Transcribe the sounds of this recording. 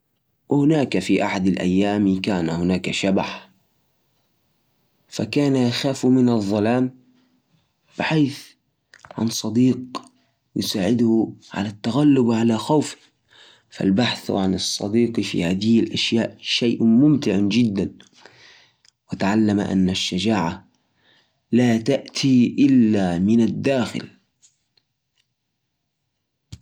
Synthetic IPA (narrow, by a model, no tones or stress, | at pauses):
wɪhɪnaːkafiʔaħad̪alʔa̰jːaːmikaːnahʊnaːkaʃaba̰ħ | fakaːnajaxaːfumɪnɑðˤːɑlaːm | b̥ɪħaːθ | ʕa̰nsˤɑd̪iːq | jɪsaːʕɪd̪hʕa̰lat̪ːaɣalːʊbwʕalaxawf | fa̰lbaħθwʕanɨsˤːɑ̰d̪iːqfḭhaːd̪ɪhɪlʔaʃjaːʔʃajʔmʊmt̪ɪʕad͡ʒɪd̪ːan | wɪt̪aʕalːama̰ʔa̰nːaʃːad͡ʒaːʕa | laːt̪aʔt̪ʰiʔɪlːamɪnad̪ːaːxɪ̰l